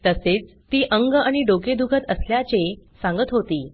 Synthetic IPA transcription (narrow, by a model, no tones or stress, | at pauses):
t̪əset͡s | t̪iːʔəŋɡaɽ̃iɖoked̪ukʰət̪əsljat͡sesãŋɡət̪ɦot̪iː